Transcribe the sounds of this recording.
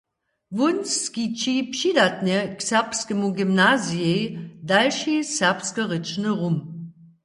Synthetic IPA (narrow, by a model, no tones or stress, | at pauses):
vʊnsskit͡ʃipʃidat̚nəksɛʁpskəmoɡimnaːziedalʃisɛʁpskəʁɪt͡ʃnəʁum